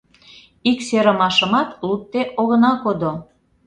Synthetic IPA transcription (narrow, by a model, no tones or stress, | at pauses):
ikseɾəmɑʃə̆mɑt̪lut̪ːeʔoɣənɑkod̪o